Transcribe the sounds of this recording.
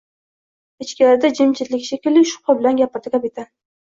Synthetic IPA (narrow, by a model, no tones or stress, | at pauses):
ɪt͡ʃkʲɪlaɾd̪ad͡ʒɪmt͡ʃʰɪt̪lɪkʲʃʰekʲɪlːɪʃʊ̥qʰɑbɪlanɡʲapɪɾd̪ɪkʲapit̪ʰa